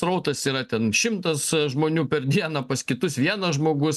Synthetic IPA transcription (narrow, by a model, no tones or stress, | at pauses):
sɾɐʊt̪ɐsiːɾɐt̪ʲɛnʃʲɪmt̪ɐsʒmoːnʲuːpʲɛrd̪ʲiɛnɐpɐskʲɪt̪ʊsʋʲiɛnɐsʒmoːɡʊs